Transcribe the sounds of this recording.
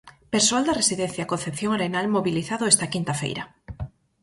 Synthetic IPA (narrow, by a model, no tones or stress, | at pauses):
peɾsoald̪ɐresiðɛn̟θjakonθepθjoŋaɾenalmoβiliθaðʊɛst̪ɐkint̪ɐfḛjɾɐ